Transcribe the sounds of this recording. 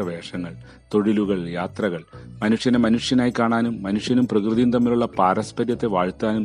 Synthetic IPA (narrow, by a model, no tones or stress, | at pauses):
ɐʋe̞ːʂɐŋːɐɭ | t̪o̞ɽiluɣɐɭjaːt̪rɐɣɐɭmɐnuʂjɐnemɐnuʂjɐnaːjikaːɳaːnumːɐnuʂjɐnumprɐkrɨðijunt̪ɐmːiluɭːɐpaːɾɐspɐɾjɐt̪ːe̞ʋaːɻt̪ːaːnum